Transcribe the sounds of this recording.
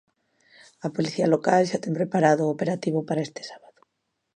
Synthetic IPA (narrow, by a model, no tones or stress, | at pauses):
apoliθialokalʃat̪eŋpɾepaɾaðʊopeɾat̪iβopaɾaest̪e̥sḁβaðo̥